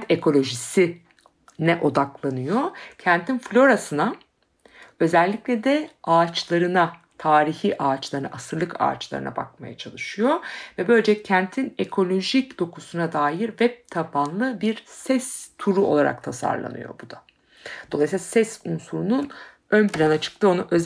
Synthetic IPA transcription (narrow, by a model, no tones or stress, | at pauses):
t̪e̞kʰo̞lʲo̞ʒisi | nɛʔo̞d̪aklˠanɯjo̞cʰænt̪ʰinflʲo̞ɾasɯna | ø̞zɛlʲːiclʲɛd̪ɛaːt͡ʃlˠaɾɯna | t̪ʰaːɾiçiʔaːt͡ʃlˠaɾɯna̰ʔasɯɾlˠɯkʰa̰ːt͡ʃlˠa̰ɾɯna̰ba̰k̚maja̰t͡ʃʰalˠɯʃɯjo̞vɛbø̞lʲd͡ʒɛcʰænt̪ʰine̞kʰo̞lʲo̞ʒicd̪̥o̞kʰusunad̪aːjiɾvɛp̚t̪ʰapʰanlˠɯbiɾsɛst̪ʰuɾuo̞lˠaɾa̰kt̪ʰasa̰ɾlˠa̰nɯ̰jo̰bud̪a | d̪̥olˠajsiasɛsunsuɾunun | ønpilʲanat͡ʃʰɯ̥k̚t̪ʰɯo̞naʔø